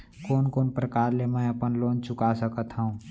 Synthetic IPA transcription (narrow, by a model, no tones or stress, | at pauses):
koːnkoːnpɾəkaːɾlemɛ̃ɐpənloːnt͡ʃʊkasəkət̪ɦəũ